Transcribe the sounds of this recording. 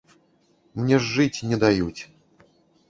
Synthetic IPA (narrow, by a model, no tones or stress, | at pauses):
mnʲɛʐːɨt͡sʲnʲɛd̪ajut͡sʲ